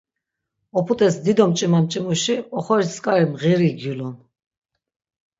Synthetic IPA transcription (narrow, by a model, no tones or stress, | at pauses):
ɔpʰut̪ʼɛsd̪id̪ɔmt͡ʃʼimamt͡ʃʼimuʃiɔχɔɾiskʼaɾimʁiɾiɡjulɔn